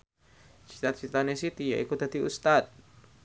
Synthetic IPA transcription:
t͡ʃi̥t̪at̪̚t͡ʃit̪anesit̪ija̰ʔikod̪a̤d̪iṵst̪at̪̚

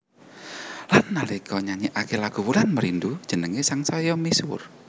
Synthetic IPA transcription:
lanːalikɔɲaɲiʔakelaɡ̥ṳwulanməɾindud̥ʒ̥ə̤nəŋesaŋsɔjɔmisʊr

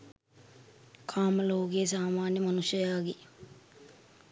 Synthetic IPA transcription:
kʰaːməloːkeːs̬aːmaːnjəmɐnusjəjaːɡe

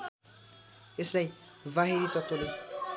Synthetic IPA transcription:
eslajbaɦiɾit̪ɔt̪ole

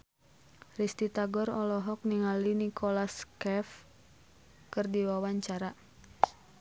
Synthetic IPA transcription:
rist̪it̪aɡɔrɔlɔɦɔk̚niŋalinikʰɔlaskɛf | kɨrdiwawaɲt͡ʃaɾa

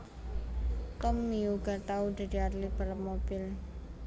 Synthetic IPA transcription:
t̪ɔmːiuɡat̪aud̪̥a̤d̪i̤arlib̥ələpmob̥ɪl

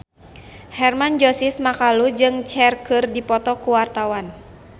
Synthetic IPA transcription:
hɛrmand͡ʒɔsismakalud͡ʒɨŋt͡ʃɛrkɨrdipɔt̪ɔkuwart̪awan

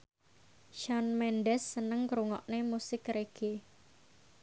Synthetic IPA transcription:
ʃanmɛnɖɛsːənəŋkɾuŋɔʔnemusɪkreɡ̥e

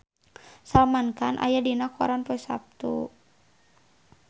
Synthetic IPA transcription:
salmanka̰nʔa̰jadinaka̰ɾanpɔɛsa̰p̚t̪ṵ

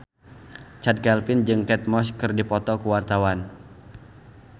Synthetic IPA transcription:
t͡ʃad̪̚kɛlfɪnd͡ʒɨŋkɛt̪̚mɔskɨrdipɔt̪ɔkuwart̪awan

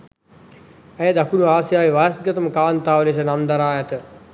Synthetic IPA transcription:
ɛjəd̪akunuaːsjaːʋiʋajɐsɡɐt̪əməkaːnt̪aːʋəlesənamd̪ɐɾaːjɐt̪ə

